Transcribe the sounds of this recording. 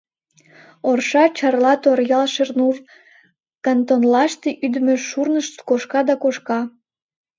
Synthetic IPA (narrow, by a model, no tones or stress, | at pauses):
orʃɑt͡ɕɑrlɑt̪orjɑlʃernuv | kɑnt̪onlɑʃt̪eʔyd̪əmøʃurnəʃt̪koʃkɑd̪ɑkoʃkɑ